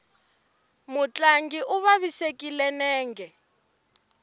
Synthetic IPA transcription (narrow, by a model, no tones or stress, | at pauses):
mut͡ɬʼaŋɡiʔuβaβisekʼilɛnɛːŋɡɛ